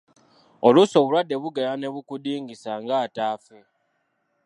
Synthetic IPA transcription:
o̞luso̞βulwadːe̞βuɡelane̞βukudiːŋɡisaŋɡaːtaːfe

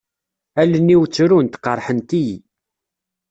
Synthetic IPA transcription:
ælːənːiwt͡sːɾunt̪qəɾˤħənt̪ij

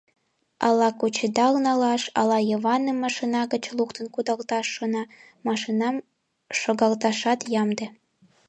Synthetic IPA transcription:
ɑlɑkut͡ɕed̪ɑlnɑlɑʃɑ̰lɑjəβɑnəmːɑʃinɑɣət͡ɕlukt̪ə̆nkud̪ɑlt̪ɑʃːonɑ | mɑʃinɑm | ʃoɣɑlt̪ɑʃɑt̪jɑmd̪ĕ

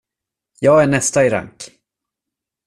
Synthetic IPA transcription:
jɑːɡæɳɛst̪aɪɾa̰ŋk

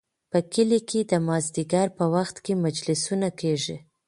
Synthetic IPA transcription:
pəkəlikʰed̪əmɑzd̪iɡaɾpəwaxt̪kemad͡ʒlɪsunakeʒi

